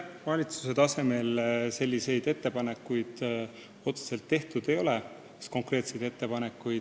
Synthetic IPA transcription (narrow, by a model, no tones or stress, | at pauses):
vɑlʲit̪su̥se̞t̪ɑse̞me̞lse̞lʲːise̞jd̪̥e̞t̪ːe̞pɑne̞kːujd̪̥ | o̞t̪se̥se̞lt̪ːe̞ht̪ud̪̥e̞jo̞le̥ | sko̞ŋkre̞ːt̪se̞jd̪̥e̞t̪ːe̞pɑne̞kːujd̥̪